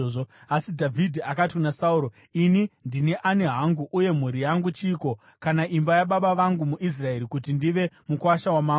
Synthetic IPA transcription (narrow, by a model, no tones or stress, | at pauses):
oasidʱavʱidʱiakatikunasauɾo | inindineʔane̞ɦaŋɡuʔːje̞m̤uɾijaŋɡut͡ʃiːko̞ | kanaʔimbajaɓaɓaʋaŋɡumuʔis̬rae̞ɾikutindiʋe̞mukwaʃawamaː